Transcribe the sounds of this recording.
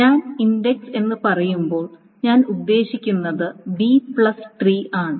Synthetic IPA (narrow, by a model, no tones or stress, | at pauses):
ɲaːninɖe̞kse̞nːɨpɐrɐjumbo̞ːɭ | ɲaːnud̪ːe̞ːɕikʲːunːɐðɨbipɭɐsʈriːaːɳɨ